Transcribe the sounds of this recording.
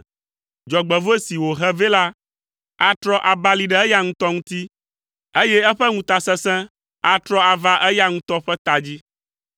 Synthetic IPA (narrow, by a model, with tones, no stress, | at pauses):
d͡ʒɔ˨ɡ͡bɛ˨vo˦e˦si˨wo˨ɦɛ˦ve˦la˦ | a˦t̪ɾɔ˦ʔa˨ba˦li˨ɖɛ˦ɛ˦ja˦ŋũ˦t̪ɔ˦ŋũ˦t̪i˦ | e˦jɛ˦ɛ˦ɸɛ˦ŋũ˦t̪a˨sɛ̃˦sɛ̃˦ | a˦t̪ɾɔ˦a˨va˦ʔɛ˦ja˦ŋũ˦t̪ɔ˦ɸɛ˦t̪a˨d͡ʑi˦